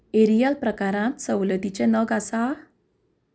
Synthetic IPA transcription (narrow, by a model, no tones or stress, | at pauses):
eɾijalpɾəkaɾãt̪səwlət̪it͡ɕẽnəɡasa